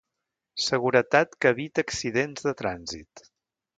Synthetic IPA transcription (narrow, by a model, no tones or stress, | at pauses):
səɣuɾət̪at̪kəβit̪əksiðenzðət̪ɾanzit̪